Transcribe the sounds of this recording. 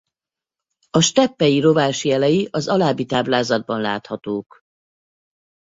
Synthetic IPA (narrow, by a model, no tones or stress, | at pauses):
ɒʃt̪ɛpːɛjiɾo̞vaːʃiɛlɛjiʔɒzɒlaːbːit̪aːblaːzɒd̪̚bɒnlaːt̪hɒt̪oːk